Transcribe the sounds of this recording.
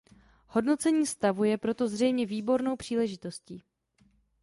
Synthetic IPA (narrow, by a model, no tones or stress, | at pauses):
ho̞dno̞t͡sɛɲiːst̪avujɛpɾo̞t̪o̞zr̝ɛjmɲɛviːbo̞ɾno̞wpr̝̥iːlɛʒɪt̪o̞sciː